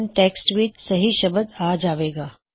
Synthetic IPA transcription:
nʈeːksʈʋiːt͡ʃsɐɦiʃɐbəd̪aːd͡ʒaːʋeːɡaː

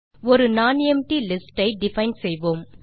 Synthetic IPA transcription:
ɔɾɯnaːnɛmʈilɪsʈɐɪɖɪfɐɪnɖsɛjʋoːm

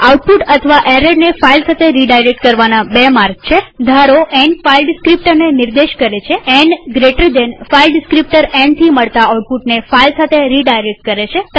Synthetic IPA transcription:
auʈ̚puʈət̪ʰəʋaʔeɾeɖnefailsat̪ʰeɾiɖajɾek̚ʈkəɾʋanabemaɾɡ̚t͡ʃʰed̪ʱaɾoʔɛɳɖfailɖɪskɾip̚ʈəɾneniɾd̪eʃkəɾet͡ʃʰeɛɳɡɾeʈɾid̪enfailɖɪskɾip̚ʈəɾɛ̃ɳɖt̪ʰiməɭt̪aauʈ̚puʈnefailsat̪ʰeɾiɖajɾek̚ʈ̚kəɾet͡ʃʰet̪ə

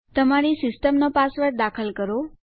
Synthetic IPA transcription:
t̪əmaɾisɪsʈəmnopasʋəɾd̪akʰəlkəɾo

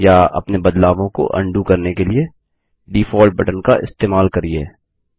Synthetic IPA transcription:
jaɐ̰pnebɐd̪laːʋõko̰ʔɐ̰̃ɳɖukɐɾnekelie | ɖiːfɔːlʈ̚bɐʈənkaʔɪ̰st̪eːmaːlkɐɾiḛː

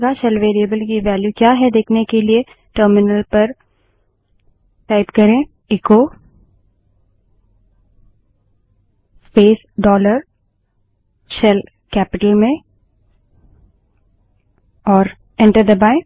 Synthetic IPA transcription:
ɡaʃɛlʋeːɾiəbəlkiʋɛːljukjaːɦɛd̪eːkʰnekelie | ʈəːɾmɪnəlpɐɾ | ʈaːɪpkɐɾẽ | ɪːko | speːs | ɖɔːləɾ | ʃɛl | kɛːpɪʈəlmẽ | ɔːɾ | ɛ̃ɳʈəɾd̪ɐbaːɪ̃

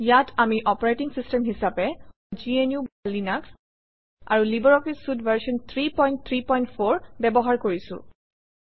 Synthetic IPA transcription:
jatʰamiʔɔpɔɹajtiŋsistɛmɦisapɛ | d͡ʒienjubalinaks | a̰ɹulibɔɹɔkisudvaɹsɔnt̪ʰɹipɔjntt̪ʰɹipɔjntpʰoɹbɛbɔɦaɹkoɹisʊ̰̃

